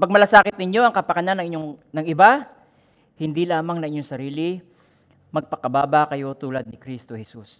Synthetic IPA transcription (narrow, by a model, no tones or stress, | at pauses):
pɐɡ̚mɐlasaːkɪt̪̚nɪɲo̞ʔɐŋkɐpɐkɐnanːɐŋɪɲoŋnɐŋɪba | hɪnd̪ilaːmɐŋnɐŋʔɪɲːoŋsɐɾiːlɪ | mɐɡ̚pɐkɐbaːbɐkɐjo̞t̪uːlɐd̪̚nɪkɾist̪ohɛsus